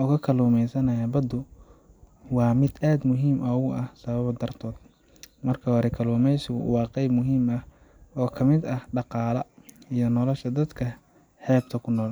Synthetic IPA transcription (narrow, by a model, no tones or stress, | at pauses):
ʔɔːkʰɐkʰɐluːmɛjsɐnɐjɐbɐd̪ʊ | wɑːmɪd̪aːd̪mʊɦiːmʔɐʊɐhsɐβɐβd̪ɐrt̪ʰɔːd̪̥ | mɐrkʰɐhɔːɾɛkʰɐluːmɛjsɪɣʊ̰wɑːqɛjbmʊɦiːmɐh | ɔːkʰɐmɪd̪ɐhɖɑqɑːlɐijɔnɔlɔʃɐd̪ɐd̪kʰɐ | ħɛːb̚t̪ʰɐkʰʊnɔːl